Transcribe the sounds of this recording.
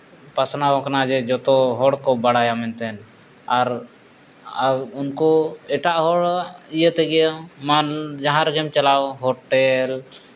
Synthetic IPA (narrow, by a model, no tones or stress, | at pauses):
pasnawɔknad͡ʒɛd͡ʒɔt̪ɔɦɔɽkɔbaɽajamɛnt̪ɛn | aɾ | unkɔɛʈaʔɦɔɽijət̪ɛɡɛjamad͡ʒaɦãɾɡɛmt͡ʃalawɦɔʈɛl